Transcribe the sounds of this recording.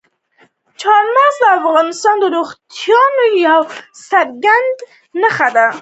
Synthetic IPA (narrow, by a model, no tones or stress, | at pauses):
t͡ʃʰɑɾmazlaafɣɑnɪst̪ɑnd̪əɾoχt̪ʰjɑnojawsaɾɡand̪ | nəxad̪a